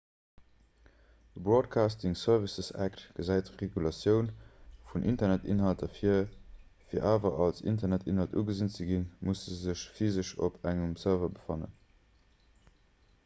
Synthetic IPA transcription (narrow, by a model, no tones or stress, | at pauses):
d̥əbʁoːt̚kʰaːstiŋsœɐvisəsæ̰ktɡ̥əzæɪtʁeɡulɑsjəʊnfunʔintɐnætḭnɦɑltɐfiɐfiːɐʔaːvɐʔɑlsḭntɐnætḭnɦɑltṵːɡəzint͡səɡinmusəzəɕfizəʃo̰pʰæŋəmsɜɐvɐbəfɑnə̰n